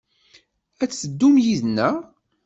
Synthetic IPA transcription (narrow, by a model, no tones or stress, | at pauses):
æt͡sːəd̪ːumjiðnːæ